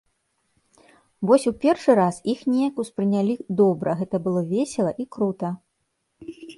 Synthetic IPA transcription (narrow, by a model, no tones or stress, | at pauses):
vɔsʲupʲɛrʂɨɾasixnʲejɐkuspɾɨnʲalʲid̪ɔbɾɐɣɛt̪ɐbɨlˠɔvʲesʲɛlˠɐʔikɾut̪ɐ